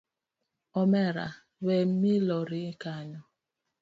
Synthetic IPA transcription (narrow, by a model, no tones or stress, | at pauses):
ɔmɛɾa̰ | wɛmilɔɾɪkaɲɔ